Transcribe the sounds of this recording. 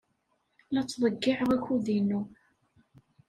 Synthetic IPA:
læt͡sːðˤəɡːɪʕəʁæçuðinu

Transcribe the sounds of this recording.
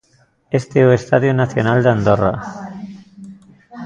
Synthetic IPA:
est̪eoest̪aðjonaθjonald̪eand̪ora̰

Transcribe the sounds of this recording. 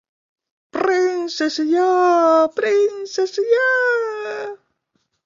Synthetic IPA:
pɾinsesjapɾinsesja

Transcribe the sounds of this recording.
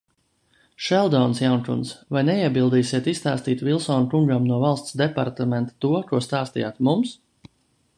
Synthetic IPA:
ʃɛlˠd̪ɔnsjawnkunsvajnɛiɛbilˠd̪iːsiɛt̪ist̪aːst̪iːt̪vilˠsɔːnkuŋɡamnuɔvalˠst̪sd̪ɛpa̰ɾt̪amɛnt̪ḁt̪uɔkuɔst̪aːst̪ḭjaːt̪mums

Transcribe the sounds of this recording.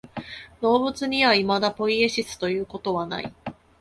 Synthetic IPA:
d̪o̞ːbɯ̟t͡sɨɲ̟iβaimad̪apo̞ieɕisɨ̥t̪o̞jɯ̟ːko̞t̪o̞βana̰i

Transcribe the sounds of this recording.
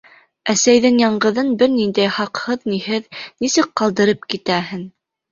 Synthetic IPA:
æsæjðɘŋjɑɴɢɤ̆ðɤnbɘɾnind̪æjχɑqhɤðniɦɘðnisɘk̚qɑlˠd̪ɤ̆ɾɤp̚kit̪æɦɘn

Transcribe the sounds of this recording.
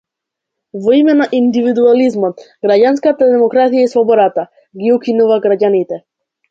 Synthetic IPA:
vɔimɛnaʔind̪ivid̪ualizmɔt̪ɡɾaɟanskat̪ad̪ɛmɔkɾat̪ijaisvɔbɔɾat̪a | ɡiukinuvaɡɾaɟanit̪ɛ

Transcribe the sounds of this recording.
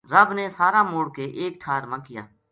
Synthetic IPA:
ɾəbneːsaːɾaːmoːɽkeːʔeːk̚ʈʰaːɾmãːkɪja̰ː

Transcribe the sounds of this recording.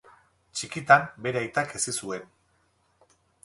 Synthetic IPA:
t͡ʃikit̪ambe̞ɾeajt̪ake̞sisue̞n

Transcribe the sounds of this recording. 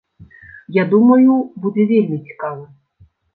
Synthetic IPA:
jad̪umɐjʊbud̪ɛʋʲilʲmʲɪt͡sʲi̥kaʋɐ

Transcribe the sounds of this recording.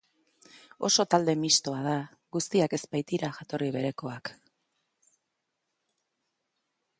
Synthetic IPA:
o̞̰so̞t̪ald̪e̞mist̪o̞að̞a | ɡust̪iake̞zpajt̪iɾaʝat̪o̞riβe̞ɾe̞ko̞ak

